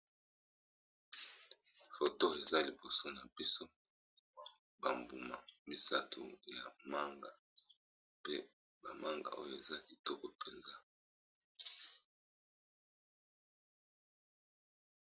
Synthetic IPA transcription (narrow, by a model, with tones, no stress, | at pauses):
fo˨to˦e˨za˦li˨bo˨so˦na˨bi˦so˦ | ba˨mbu˨ma˨mi˨sa˦tʰṵ˨ja˨ma˦ŋɡa˨ | pe˦ | ba˨ma˦ŋɡa̰˨o˦jo˨e˨za˦ki˨tɔ˦kɔ˨pʰe˨nza˦